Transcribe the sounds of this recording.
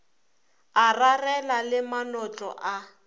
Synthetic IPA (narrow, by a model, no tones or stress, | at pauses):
ararɛlalɪmanɔt͡ɬʼɔ̰ʔa